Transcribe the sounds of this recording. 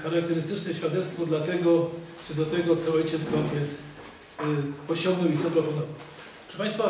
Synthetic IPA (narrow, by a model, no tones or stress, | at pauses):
xaɾak̚t̪ɛɾɘst̪ɘt͡ʂnɛɕfʲjad̪ɛt̪st̪fɔd̪lat̪ɛɡɔt͡ʂɘd̪ɔt̪ɛɡɔt̪sɔɔjt͡ɕɛd̪zɡavʲjɛt̪s | pɔɕɔ̃ŋɡnɔwizɔpɾɔpɔnɔvaw | ɔʂɛpãj̃st̪fa